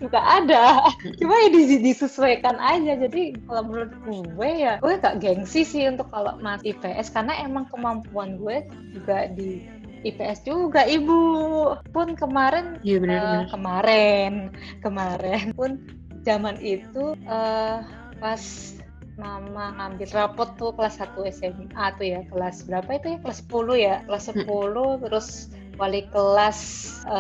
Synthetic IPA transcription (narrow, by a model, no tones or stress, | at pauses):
d͡ʒuɡaʔːdat͡ʃumajadisidisusuwɛkanʔad͡ʒad͡ʒadikalomulʊt̪̚ɡuwɛjaɡuɛɡaʔɡɛŋsisɪhunt̪ʊkːalo̰masipeʔɛskarnaemaŋkəmampuanɡuɛ | d͡ʒuɡadiː | peɛsd͡ʒuɡaibupʊnkəmaɾɛnaəəkəmaɾɛn | kəmaɾɛnpʊn | d͡ʒamanit̪uʔə | kas | mamaŋambɪlrapɔt̪ːukəlasat̪uɛsɛmat̪ujakəlasbəɾapait̪ujakəlasːə̥pulujakəlasːəppulʊt̪əɾʊs | walikəlasə